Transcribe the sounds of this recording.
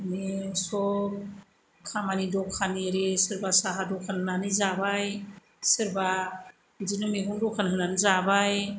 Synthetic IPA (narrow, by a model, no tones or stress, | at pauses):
misɔ | kʰamanidɔkʰaniɾisɯɾbasaɦadɔkʰanɯnanizabaj | sɯɾba | dinɯmiɦundɔkʰanɦɯnanizabaj